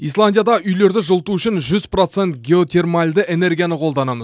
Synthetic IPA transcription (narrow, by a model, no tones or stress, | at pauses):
ijslˠanʲd̪ʲijad̪ɑʔʏjle̞ɾd̪ɪʒəlˠt̪uʏʃɪnʒʏz̥pro̞t̪se̞nt̪ɡʲe̞o̞t̪ʲʰe̞rmalʲd̪əʔe̞ne̞rɡʲijanəqʰo̞lˠd̪ɑnɑməz